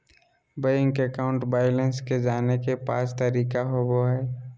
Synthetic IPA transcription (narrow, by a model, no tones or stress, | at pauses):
bəjɪ̃ŋkekaʊ̃ɳʈbaːjlənsked͡ʒaːnekepaːst̪əɾiːkaɦoboɦɛː